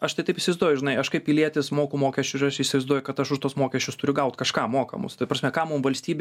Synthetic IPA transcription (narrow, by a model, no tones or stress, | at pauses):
ɐʃt̪ɐɪt̪ɐɪpɪisʲɪʋɐɪzd̪uɔjʊʒʲɪnɐɪɐʃkɐɪppʲɪlʲiɛt̪ʲɪsmoːkʊmoːkʲɛsʲt͡ʃʲʊsɪɾɐʃɪːsʲɪʋɐɪzd̪uɔjʊkɐt̪ɐʃʊʃt̪uɔsmoːkʲɛsʲt͡ʃʲʊst̪ʊɾʲʊɡɐʊt̪kɐʃkɑːmoːkɐ̰mʊ̰st̪ɐɪpɾɐsʲmʲɛkɑːmʊmʋɐlʲsʲt̪ʲiːbʲ